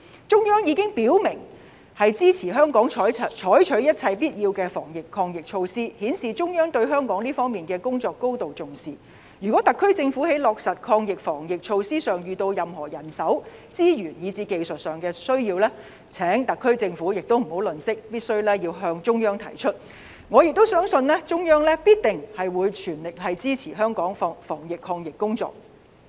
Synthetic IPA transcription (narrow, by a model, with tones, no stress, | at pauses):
t͡sʊ˥ŋjœː˥ŋjiː˨˧kɪ˥ŋpiː˨˥wmɪ˨˩ŋ | hɐ˨jt͡siː˥t͡sʰiː˨˩ɦœː˥ŋkɔː˨˥ŋʰ˨˥˨t͡ʃʰɔː˨˥jt͡ʃʰɵ˨˥ɥjɐ˥t̚t͡sʰɐ˧jpiː˥t̚jiː˧wkɛː˧fɔː˨˩ŋjɪ˨kʰːɔː˧ŋjɪ˨k̚t͡ʃʰo˧wsiː˥hiː˨˥nsiː˨t͡sʊ˥ŋjœː˥ŋt̪ɵ˧ɥɦœː˥ŋkɔː˨˥ŋliː˥fɔː˥ŋmiː˨nkɛː˧kʊ˥ŋt͡sɔː˨˧kːo˥wt̪o˨wt͡sʊ˨˩ŋsiː˨ | jyː˨kɔː˨˥t̪ɐ˨kʰːɵ˥ɥt͡sɪ˧ŋfuː˨˥he˨˥jlɔː˨k̚sɐ˨t̚kʰɔː˧ŋjɪ˨k̚fɔː˨˩ŋjɪ˨k̚t͡ʃʰo˧wsiː˥sœː˨˩ŋjyː˨t̪o˧wjɐ˨mɦɔː˨˩jɐ˨˩nsɐ˨˥wt͡siː˥jyː˨˩njiː˨˧t͡siː˧ke˨˧jsɵ˨t̚sœː˨ŋkɛː˧sɵ˥ɥjiː˧wlɛː˥ | t͡sʰɛː˨˥ŋt̪ɐ˨kʰːɵ˥ɥt͡sɪ˧ŋfuː˨˥jɪ˨k̚t̪o˥wm̩˨˩ho˨˥wlɵ˨˩nsɪ˥k̚piː˥t̚sɵ˥ɥlɛː˥jiː˧wɦœː˧ŋt͡ʃʊ˥ŋjœː˥ŋt̪ʰɐ˨˩jt͡ʃʰɵ˥t̚ | ŋɔː˨˧jɪ˨k̚t̪o˥wsœː˥ŋsɵ˧nlɛː˥t͡ʃʊ˥ŋjœː˥ŋlɛː˥piː˥t̚t̪ɪ˨ŋhɐ˨jwuː˨˧jt͡ʃʰyː˨˩nlɪ˨k̚hɐ˨jt͡siː˥t͡sʰiː˨˩ɦœː˥ŋkɔː˨˥ŋfɔː˨˥fɔː˨˩ŋjɪ˨kʰːɔː˧ŋjɪ˨kːʊ˥ŋt͡sɔ̰ː˨k̚